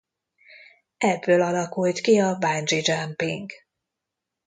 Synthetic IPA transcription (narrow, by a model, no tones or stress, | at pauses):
ɛbːøːlɒlɒkult̪kiɒband͡ʒid͡ʒampiŋɡ